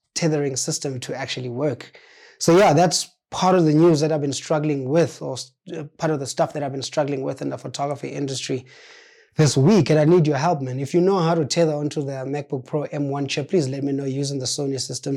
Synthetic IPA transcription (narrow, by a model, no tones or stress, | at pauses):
tʰɛðəɹĩŋsɪstə̃mtʰuæk̚t͡ʃuəliwɜk | sojaðæts | pʰaɹɾɔvðənjuzðɛɾaɪvbĩnstɹ̥aɡlɪ̃ŋwɪθɔ | pʰaɾɔvðəstafðɨɾaɪvbĩnstɹ̥aɡlĩŋwɪ̰θɪ̃nðəfotʰɔɡɹafḭɪ̰̃ndəstɹ̥i | ðɪswikɛ̃naɪnidjɔɦɛlˠpmɛ̃nifjunoʊɦawɾutʰɛðə˞ɔ̃ntʰuðəmɛk̚b̥uk̚pʰɹ̥oʔɛ̃mwãnt͡ʃʰɛpʰlizlɛt̚minojuzɪ̃ŋðəsonisɪstə̃m